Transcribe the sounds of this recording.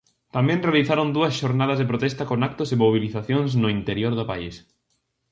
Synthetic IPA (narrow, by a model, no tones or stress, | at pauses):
t̪amɛ̃nrealiθaɾond̪uɐsʃoɾnað̞ɐzðepɾot̪ɛst̪ɐkonak̚t̪ʊsemoβiliθaθjoŋsnʊint̪eɾjoɾðʊpais